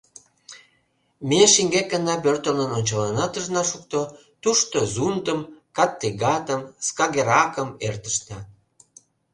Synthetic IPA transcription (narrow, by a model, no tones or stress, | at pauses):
meʃiŋɡek̚ːənɑp̬ørt̪əlnənonʲt͡ɕəlɑnɑt̪əʒnɑʃukt̪o | t̪uʃt̪ozund̪əmkɑt̪ːiɡɑt̪əmskɑɣeɾɑkəmert̪ə̥ʃnɑ